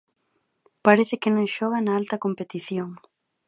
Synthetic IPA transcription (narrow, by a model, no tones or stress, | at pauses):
paɾeθɪkɪnõŋʃɔɣ̞anaalt̪ɐkompet̪iθjoŋ